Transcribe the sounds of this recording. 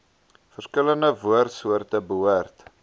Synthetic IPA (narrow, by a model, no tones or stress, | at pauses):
fərskələndəvuərtsuərtəbəɦuərt